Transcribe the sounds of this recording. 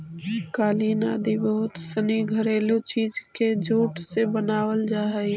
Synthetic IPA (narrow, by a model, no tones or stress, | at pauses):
kaːlinaːd̪ibəɦʊt̪səniɡʱəɾeːlot͡ʃiːd͡ʒked͡ʒuːʈsebənaːwəld͡ʒaːɦɛ